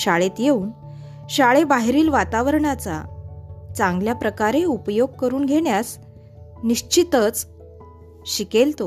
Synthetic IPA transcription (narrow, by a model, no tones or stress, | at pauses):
ɕaɭet̪jeuːn | ɕaɭebaɦeɾiːlʋat̪aʋəɾɳat͡sa̰ | t͡sãŋɡljapɾəkaɾeupjoɡ̚kəɾuːnɡʱeɽ̃jas | niɕt͡ɕit̪ət͡s | ɕikelt̪o